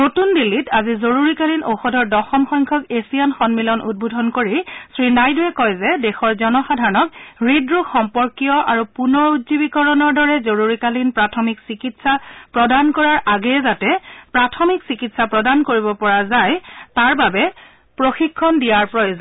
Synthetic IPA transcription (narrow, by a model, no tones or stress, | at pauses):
notundilːitazizoɹuɹikalinoxɔdʱɔɹdɔxɔmxɔjŋkʰɔkesijanxɔnmilɔnṵd̚bodʱɔnkoɹisɹinajduɛkɔjzɛdɛxɔɹzɔnɔxadʱaɹɔnɔkɹidɹuxɔmpɔɹkijɔʔaɹupunɔɹutzibikɔɹɔnɔɹdɔɹɛzoɹuɹikalinpɹatʰɔmiksikitsapɹɔdankɔɹaɹʔaɡɛzatɛpɹatʰɔmiksikitsapɹɔdankoɹibɔpɔɹazajtaɹbabɛ | pɹoxikʰːɔndijaɹpɹɔjozɔ